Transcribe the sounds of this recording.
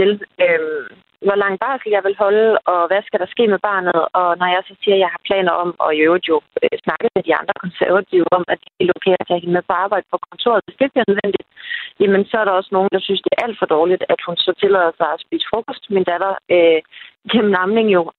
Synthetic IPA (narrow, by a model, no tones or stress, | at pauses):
eløm | ʋɒlɑ̈ŋ̰b̥ɑ̰̈ːsl̩jɑ̈ɪʋe̝lɦɒ̽ləɒ̽ʋæsɡ̥æɾ̥ɑ̈sɡ̥e̝̰ːmeb̥ɑ̰̈ːnð̞̩ˠɒ̽nɒjɑ̈ɪsɒ̽siːɐjɑ̈ɪhɑ̈pʰlɛ̰ːnɐʔɒ̽m̰ɒ̽iøʊd̥ˠjo̝øsnɑ̈ɡ̥əð̩ˠmed̥iɑ̈nd̥ʁɐkʰɔ̽nsæɐʋæt͡sʰiʊɒ̽m̰æd̥elokʰɛ̰ːɐ̥æhenmeðˠpʰɒ̽ɑ̈ːb̥ɑ̈ɪ̰d̥əpʰɒ̽kʰɒ̽nt͡sʰo̝̰ːɐð̩ˠd̥e̝sɡ̥eɡ̥̚b̥iɐnøðˠʋen̰d̥i̥id̥jæmənsɒæɐɾɑ̈ɒ̽səno̝ːn̩d̥ɑ̈synsd̥e̝æɐʔæl̰d̥fɒ̽d̥ɒːlid̥æd̥hunsɒ̽t͡sʰe̝lɛðˠɐsɑ̈ɪɒ̽spḭːsə̥fʁoːkʰɒsd̥mind̥æd̥ɐøɡ̥emm̩nɑ̈mle̝ŋjo̝